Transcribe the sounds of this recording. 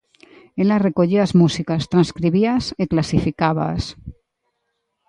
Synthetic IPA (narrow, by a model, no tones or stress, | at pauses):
elarekoʎiazmusikast̪ɾanskɾiβiaseklasifikaβa̰s